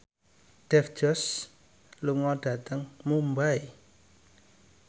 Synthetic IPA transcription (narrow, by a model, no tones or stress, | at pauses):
ɖ̥ɛfd͡ʒ̥ɔs | luŋɔɖ̥a̤t̪əŋmumbaj